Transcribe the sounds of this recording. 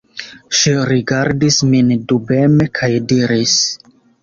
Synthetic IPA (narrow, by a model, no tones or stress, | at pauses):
ʃiɾiɡaɾdismindubemekʰajdiɾis